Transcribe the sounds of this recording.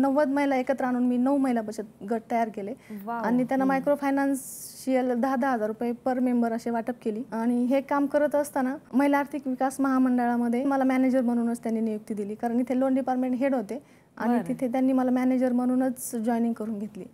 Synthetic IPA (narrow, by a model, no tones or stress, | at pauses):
nəʋət̪məɦilaekət̪ɾaaɽ̃uːnmiːnəʋməɦilapəɕʰət̪̚ɡʱəʈ̚t̪əjaɾkeleaɽ̃it̪janːamajkɾofʰajnansɕiəld̪əɦd̪əɦəd͡zaɾːupjepəɾmembəɾəɕeʋaʈəp̚keliːaɽ̃iɦekamkəɾət̪əst̪anaməɦilaɾt̪ʰikʋikasməɦaməɳɖəɭaməd̪ʱːjeməlamæned͡ʑəɾməɽ̃uːnət͡st̪janːiːnijuk̚t̪iːd̪iliːkaɾəɳit̪ʰelonɖipaɾʈmẽɳʈɦeɽɦot̪e | a̰ɽ̃it̪it̪ʰet̪janːiːməlamæned͡ʑəɾməɽ̃uːnət͡sd͡ʑɔjnĩŋɡkəɾuːnɡʱet̪lḭː